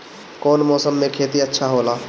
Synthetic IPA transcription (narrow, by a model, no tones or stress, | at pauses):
kɔːnmɔːsəmːẽkʰeːt̪iətːʃʰaɦoːlaː